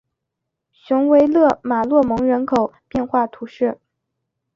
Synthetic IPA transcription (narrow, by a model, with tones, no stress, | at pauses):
ɕʊ˧˥ŋwe˧˥ɪlɤ˥˩ma˨˩lwɔ˥˩mɤ˧˥ŋɻə˧˥nkʰo˨˩ʊpjɛ˥˧nxwa˥˩t̪ʰu˧˥ʂɻ̩˥˩